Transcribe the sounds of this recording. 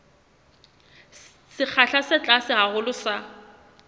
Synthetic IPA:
sɪk͡xʰaɬasɪt͡ɬʼasɪɣaɣʊlʊsa

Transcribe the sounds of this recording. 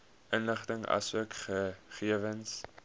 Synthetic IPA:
ʔənləχtəŋɐ̰suəkχəχiəvəns

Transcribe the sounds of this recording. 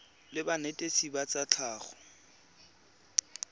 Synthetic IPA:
lɪbanetʼesibat͡sʼat͡ɬʰaːχɔ̥

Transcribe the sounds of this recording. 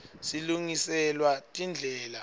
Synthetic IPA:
siluŋisɛlwatʼind͡ɮʱɛːla

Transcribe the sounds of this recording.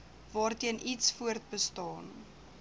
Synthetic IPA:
vɑːrtiənʔitsfuərt̚bəstɑːn

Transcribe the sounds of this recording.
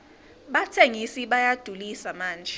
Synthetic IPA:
ɓatʰeŋisiɓajad̥ʱulisamaːnd͡ʒʱɛ

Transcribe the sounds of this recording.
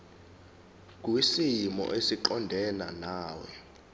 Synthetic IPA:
k̬ʼwisimɔ̰ʔesiǃɔndʱɛna̰naːwɛ

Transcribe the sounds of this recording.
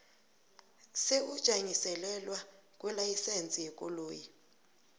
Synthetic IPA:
seud̥ʒ̥ʱaŋisɛlɛlwakʼwɛlajisent͡sʼijɛkʼɔloːji

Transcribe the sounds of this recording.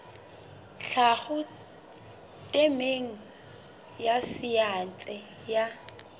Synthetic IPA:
ɬaχʊ | tʼemeŋ̩ | jasijant͡sʼɛ | ja

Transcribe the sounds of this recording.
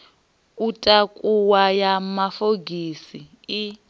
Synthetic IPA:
utʼakʼuwajamafoɡʱisi | i

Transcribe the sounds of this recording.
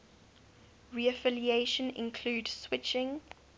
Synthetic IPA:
ɹiəfɪlieʃə̃nɪ̰̃nkʰl̥uːdswɪt͡ʃɪ̃ŋ

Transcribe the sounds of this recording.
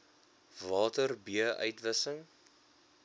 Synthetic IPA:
vɑːtərbiəʔœ̰ɥtvəsəŋ

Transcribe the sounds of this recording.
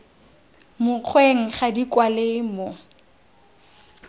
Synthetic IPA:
mʊq͡χʰweŋ̩χadikwalemo

